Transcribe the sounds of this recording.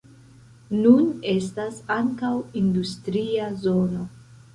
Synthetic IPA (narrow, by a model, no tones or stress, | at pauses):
nune̞stasaŋkawindustɾiazo̞no̞